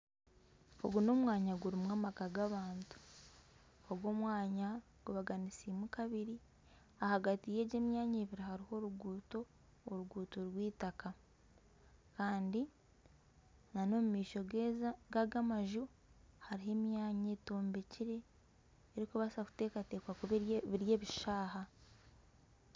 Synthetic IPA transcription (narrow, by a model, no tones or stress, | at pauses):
oɡuno̞mwaːɲaɡuɾimŋamakaɡaβaːntu̥ | oɡwo̞ːmwaːɲa | ɡ̥uβaɡanisimukaβiɾi | ahaɡatije̞ːɟe̞ːmjaːɲeβiɾahaɾiho̞ɾuɡuːto̞ː | ɾuɡuːtoɾwiːtaka | kaːndi | nano̞mumiːʃo̞ɡeɡaɡamaʒu | haɾiɦe̞mjaːɲeto̞ːmbe̞ciɾe̞ː | ɾikuβasaku̥te̞ːkate̞ːkwakuββiɾje̞ːβiʃaːɦa